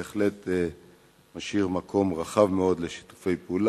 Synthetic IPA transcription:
eχle̞t̪ | maʃiʁmakʰo̞mʁaχavmeo̞d̪leʃi̥tu̥fe̞jpeuːl

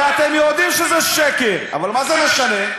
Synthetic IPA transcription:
at̪emjod̪imʃezɛʃekeʁa̰valmazemeʃane

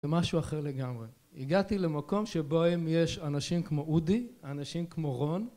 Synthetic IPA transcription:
emaʃuaχeʁle̞ɡamʁe̞ | iɡatile̞mako̞mʃeboemje̞ʃanaʃimkmo̞ʔudianaʃimkmo̞ʁo̞n

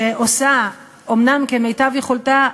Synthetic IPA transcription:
eʔosa | omnamkemejtavjeχolta

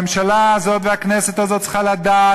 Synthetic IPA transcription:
mʃalaːzo̞t̪veaknɛset̪azot̪t͡sə̥χalad̪a

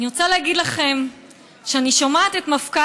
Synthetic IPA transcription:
niʁot͡salehaɡid̪laχe̞m | ʃeaniʃomaːt̪et̪mafka

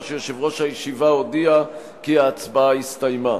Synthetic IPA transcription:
ʃejoʃevʁo̞ʃhajeʃivaodia | kiaːt͡sbaaist̪ajma

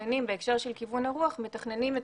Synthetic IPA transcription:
nimbeːkʃeʁʃelkivunhaʁuaχmet̪aχne̞nimet̪

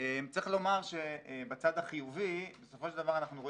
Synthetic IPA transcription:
emt͡sʁiχlo̞maʁʃe̞bat͡sad̪aχijuvibeso̞foʃeld̪avaʁanaχnuʁo̞

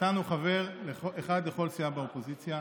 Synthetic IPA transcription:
anuχave̞ʁleoeχad̪le̞χo̞lsijabaopo̞zit͡sja

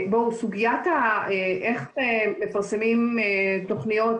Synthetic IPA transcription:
bowsuɡijataeʔeχemefaʁsemimeto̞χnijo̞t

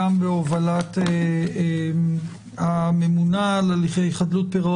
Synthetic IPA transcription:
ambeovalat̪ee | amemunalaliχeiχad̪lut̚peʁo

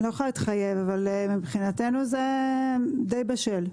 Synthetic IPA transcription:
loχait̪χaje̞vavalmibχinat̪e̞nuze | d̪ejbaʃel

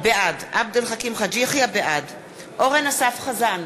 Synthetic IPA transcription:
bead̪ʔab̚d̪elχakimχad͡ʒiaχjabeʔad̪ | ʔoʁenasafχazan

